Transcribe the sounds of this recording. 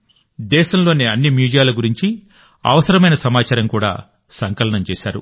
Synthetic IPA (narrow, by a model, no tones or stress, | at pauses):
d̪ɛːʃɐmlo̞ːniɐnːimjuːd͡ʒɐjaːluɡuɾiɲt͡ʃi | ɐ̰ʋɐsɐɾɐmɐjnɐsɐmaːt͡ʃaːɾɐmkuːɽa̰ː | sɐŋkɐlɐɳɐmt͡ʃɛːʃa̰ːɾṵ